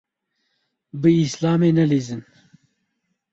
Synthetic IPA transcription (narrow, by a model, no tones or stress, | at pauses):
bɨislaːmeːnɐlezɨn